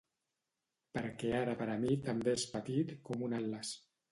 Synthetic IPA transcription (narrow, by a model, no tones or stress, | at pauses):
pəɾkeaɾəpəɾamit̪ambeespət̪it̪kɔmunalːəs